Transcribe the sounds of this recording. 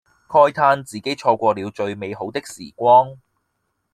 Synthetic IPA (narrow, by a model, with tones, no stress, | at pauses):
kʰɔː˥jt̪ʰaː˥nt͡siː˨˩ke˨˥jt͡ʃʰɔː˧kʷɔː˧liː˨˧wt͡ʃɵ˧ɥme˨˧jɦo˨˥wt̪ɪ˥k̚sḭː˨˩kʷɔː˥ŋ